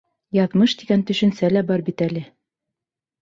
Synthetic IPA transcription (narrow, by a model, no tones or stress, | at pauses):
jɑðmɤʃd̪iɡænt̪ɵ̆ʃɵ̆nsælæbɒɾbit̪ælɘ